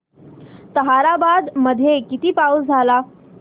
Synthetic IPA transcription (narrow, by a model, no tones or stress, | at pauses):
t̪əɦaɾabad̪məd̪ʱːjekit̪iːpausd͡zʱala